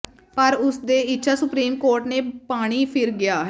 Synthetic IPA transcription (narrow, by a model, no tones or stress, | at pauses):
pəɾʊsd̪eːɪtːʃʰaːsʊpɾiːmkoːɾʈneːpaːɽ̃iːpʰɪɾɡɪjaːɦɛ